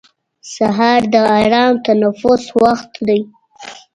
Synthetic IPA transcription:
saɦɑɾd̪əaɾɑmt̪anafʊswaxt̪d̪aj

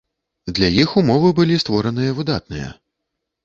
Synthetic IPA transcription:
d̪lʲajixumɔvɨbɨlʲist̪vɔɾɐnɨjɐvɨd̪at̪̚nɨjɐ̰

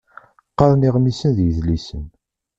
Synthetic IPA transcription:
qːɑɾˤniʁmisənðjəðlisə̰n

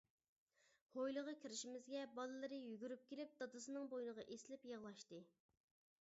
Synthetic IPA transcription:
hojlˠəʁɑkʲʰiɾɪʃimɪzɡʲɛbɑlˠɨlˠɨɾɨjyɡʲyɾyp̚kʲelɪp̚d̪ɑd̪ɨsɨnɨŋbojnɨʁɑʔeslɪpjəʁlˠɑʃt̪ɨ

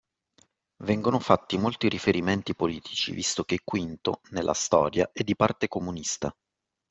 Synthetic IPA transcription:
vɛŋɡonofat̪ːimolt̪iɾʔifeɾiment̪ipoliːt̪ʰi̥t͡ʃḭvist̪ok̟ekːwint̪o̰nelːʔa̰st̪ɔ̰ːɾjaʔɛd̪ːipart̪ekomunist̪a̰

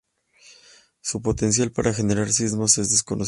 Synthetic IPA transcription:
supo̞t̪e̞ns̬jalpaɾʔaxe̞ne̞ɾaɾsizmo̞se̞zðe̞sko̞no

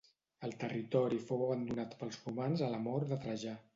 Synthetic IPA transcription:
əlˠt̪ərit̪ɔɾifowəβənd̪unat̪pəlˠzrumanzələmɔɾðət̪ɾəʒa

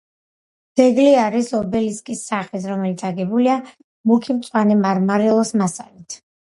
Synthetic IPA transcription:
d̪̥ɛɡliaɾisɔbɛliskʼisːaχit̪ɾɔmɛlit̪sʰaɡɛbulia | mukʰimt̪sʼwanɛmaɾmaɾɛlˠɔsmasalit̪ʰ

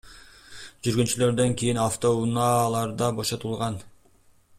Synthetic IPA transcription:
d͡ʒyɾɡynt͡ʃylø̞ɾd̪ø̞ŋkʲijinaft̪o̞unɑːlˠɑɾd̪ɑbo̞ʃo̞t̪ulˠʁɑn

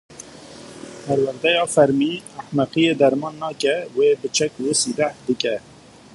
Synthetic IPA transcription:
pʰɛɾwæɾd̪ɛjɑːfɛɾmiːæħmæqijeːd̪ɛɾmɑːnːɑːkɛweːbɨt͡ʃʰɛkwəsiːd̪æhd̪ɨkɛ

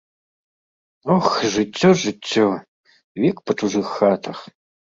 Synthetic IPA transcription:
ɔxʐɨtʲːɔʐɨt͡sʲːɔ | vʲikpɐʈ͡ʂuʐɨxːat̪ʰɐx

